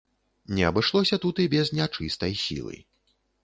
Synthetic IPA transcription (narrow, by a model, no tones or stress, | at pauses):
nʲɛɐbɨʂlˠɔsʲɐt̪ut̪ibʲɛznʲat͡ʂɨst̪ɐjsʲḭlˠɨ̰